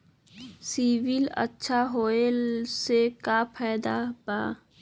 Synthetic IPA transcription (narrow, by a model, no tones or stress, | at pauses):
siːʋɪlə̰tːʃʰaɦoːesekapʰɛːd̪abaː